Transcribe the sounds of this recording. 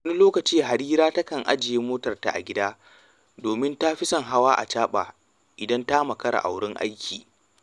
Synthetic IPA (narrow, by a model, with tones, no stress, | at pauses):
wɐ˦ni˦loː˦kɐ˨t͡ʃiː˦ɦa˨ɾiː˦ɾaː˦tɐ˦kɐ˨ŋʔa̰˦d͡ʒɪ˨jeː˦moː˦tɐ˨rta̰˨ʔa̰˨ɡʲɪ˦daː˦ | doː˨mɪ˦nta˦ɸɪ˦sɔ˦˨ŋɦa˦waː˦ʔa̰˨t͡ʃaː˦ɓa̰ː˨ | ʔɪ˨dɐ˦ntaː˦mɐ˨kɐ˦ɽa̰˨ʔa̰˨wɽɪ˦ŋʔa̰˦jkʲʰiː˨